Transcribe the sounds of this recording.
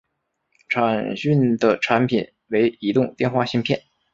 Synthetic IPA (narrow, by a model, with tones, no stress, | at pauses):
ʈ͡ʂʰa˨˩nɕy˥˩nd̪ə˩ʈ͡ʂʰa˧˥npʰi˨˩˦n | we˧˥ɪi˧˥t̪ʊ˥˧ŋt̪jɛ˥˧nxwa˥˩ɕi˥ŋpʰjɛ˥˩n